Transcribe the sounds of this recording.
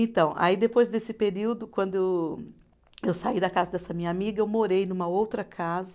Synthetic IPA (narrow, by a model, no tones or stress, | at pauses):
ẽt̪ɐ̃w̃ʔa̰id̪epojzd̪esɪpeɾiwd̪ʊkwɐ̃nd̪ʊe | ewsaid̪ɐkazɐd̪ɛsɐmĩɲɐamiɡɐewmoɾejnũmɐowt̪ɾɐkʰazɐ